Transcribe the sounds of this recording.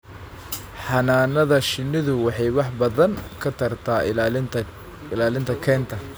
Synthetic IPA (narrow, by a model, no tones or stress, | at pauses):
ħɑnaːnɐðɐʃɪnːɪðʊwɑħɑjwɑħbɐðɐnkʰɐt̪ʰɐrt̪ʰaː | ɪlaːlɪnt̪ʰɐkʰɛːnt̪ʰɐ